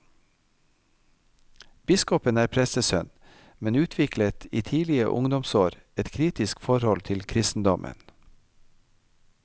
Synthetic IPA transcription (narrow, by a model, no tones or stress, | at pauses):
b̥ɪskɔpənæːɾpʰɾɛst̪əsœn | mɛnʉːt̪ʰʋɪklət̪ʰiːt̪ʰiːlɪə̰ʔʊŋd̪ɔmsoːɾ | ɛt̪kʰɾiːt̪ɪskfɔɾhɔlt̪ʰɪlkʰɾɪst̪n̩d̪ɔmʔə̰n